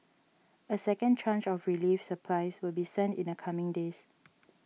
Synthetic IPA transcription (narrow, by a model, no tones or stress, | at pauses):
əsɛkə̃nt͡ʃãnt͡ʃɔfɹilifsəpʰlaɪswɪlˠbisɛ̃ntĩnəkʰamɪ̃ŋdes